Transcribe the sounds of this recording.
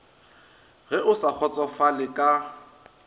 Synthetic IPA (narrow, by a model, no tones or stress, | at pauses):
ɣɛʔʊsak͡xʰɔt͡sʼɔfalɪkʼa